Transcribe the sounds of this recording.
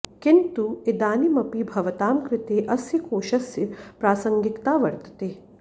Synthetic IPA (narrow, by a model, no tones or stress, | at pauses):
kint̪ued̪aːnimɐpibʱɐʋɐt̪aːmkɾɪt̪eːʔɐsjɐkoːʃɐsjɐpɾaːsɐŋɡikt̪aːʋɐɾt̪ɐ̥t̪eː